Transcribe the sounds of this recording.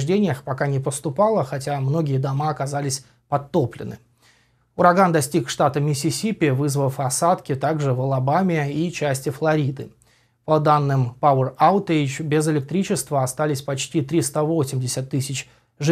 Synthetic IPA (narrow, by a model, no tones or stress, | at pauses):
ʐdʲenʲɪjəxpɐkanʲɪpəst̪ʊpalˠəxɐtʲamno̞ɡʲɪjəd̪ɐmaɐkɐzalʲɪsʲ | pɐt̪ːo̞plʲɪ̰nɨ̰ | ʊɾɐɡand̪ɐsʲtʲikʂt̪at̪əmʲɪsʲɪsʲipʲɪvɨzvəfɐsat̪kʲɪt̪aɡʐɨvəlˠɐbamʲɪit͡ɕæsʲtʲɪflˠɐɾʲid̪ɨ | pɐd̪anːɨmpaʊəraʊt̪ejt͡ɕbʲɪzɪlʲɪk̚t̪ɾʲit͡ɕɪst̪vəɐst̪alʲɪsʲpɐt͡ɕtʲit̪ɾʲist̪avo̞sʲɪmʲdʲɪsʲət̪ːɨsʲɪt͡ɕ | ʐɨ